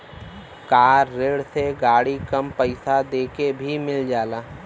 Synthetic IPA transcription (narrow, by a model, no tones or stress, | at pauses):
kaːɾːeːɽseɡaːɽikəmpəɪsad̪eːkebʱimɪld͡ʒaːlaː